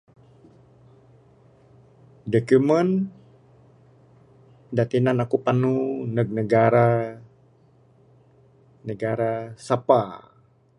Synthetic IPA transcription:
dɔkumən | dat̪inanakupanunək̚nəɡaɾa | nəɡaɾasapa

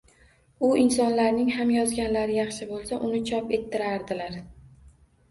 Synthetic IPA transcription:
ʊʔɪnsɒnlaɾnɪŋhamjɒzɡʲanlaɾɪjɑχʃɪbolˠsaʔʊnɪt͡ʃʰɒpe̞t̪ʰːɪɾaɾd̪ɪlaɾ

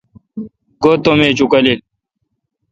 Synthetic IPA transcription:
ɡoːt̪omeːt͡ɕukɐlil

